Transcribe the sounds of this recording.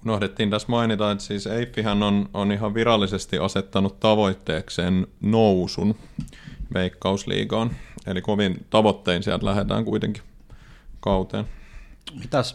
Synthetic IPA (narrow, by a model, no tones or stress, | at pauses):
unohdet̪ːiːnt̪æsmɑinit̪ɑet̪siːseifːihænːononiɦɑʋʋiɾɑlːisest̪iʔɑset̪ːɑnut̪tɑʋo̞it̪ːeːkseːnnousun | ʋeikːɑuslḭːkɑːnelikoʋint̪ɑʋot̪ːeinsiælt̪læhet̪æ̰ːŋkuit̪eŋki̥ | kɑut̪ḛːnmit̪æs